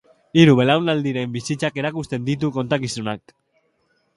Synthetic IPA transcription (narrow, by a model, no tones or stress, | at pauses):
iɾuβe̞lawnald̪iɾe̞mbisit͡sake̞ɾakust̪e̞nd̪it̪̬uko̞nt̪akisunak̚